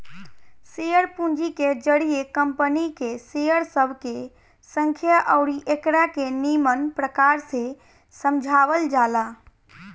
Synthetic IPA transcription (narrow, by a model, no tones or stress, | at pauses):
sejəɽpũnd͡ʒiked͡ʒəɽijekəmpənikesejəɽsəbʱke | sə̃ŋkʰjəʔəʊɾiʔekɽakenimənpɾəkaːɾse | səmd͡ʒʱawəld͡ʒaːla